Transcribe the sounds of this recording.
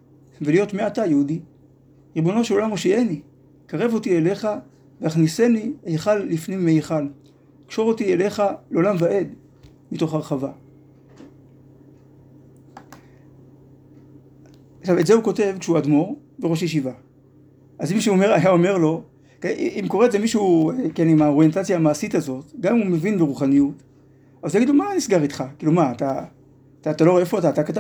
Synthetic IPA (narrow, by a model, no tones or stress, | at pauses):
velijo̞tmiatajeudi | ʁibo̞no̞ʃelo̞lamoʃieni | kaʁe̞vo̞tiele̞χa | veaχnise̞niejχalːifnimːejiχal | kʃo̞ʁo̞tiele̞χaleo̞lamvaʔed | mito̞χhaʁχava | aχʃave̞tzeuko̞te̞vkʃeuadmo̞ʁbe̞ʁo̞ʃjeʃ̬iva | ʔazimiʃeome̞ʁajao̞me̞ʁlo̞ | kimko̞ʁeetzemiʃueke̞nimaoʁjentat͡sjaːmaːsitazo̞tɡamimumevinbeʁuχanijut | avalujaɡid̪lomanisɡaʁitχakilumaːta | tatalo̞ʁefoataːtakata